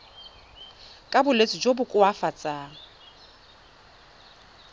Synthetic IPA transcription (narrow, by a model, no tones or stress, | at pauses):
kʼabʊlet͡sʼɪd͡ʒobʊkʼʊafat͡sʼaːŋ̩